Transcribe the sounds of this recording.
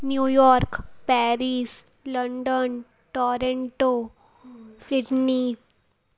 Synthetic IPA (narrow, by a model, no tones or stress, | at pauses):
njuːjɔːɾkpɛɾiːs | ləɳɖən | ʈɔːɾeɳʈo | siɖni